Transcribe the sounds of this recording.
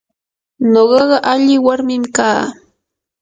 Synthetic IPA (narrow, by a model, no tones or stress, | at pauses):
noɢɑɢɑʔaʎɪwaɾmɪmkaː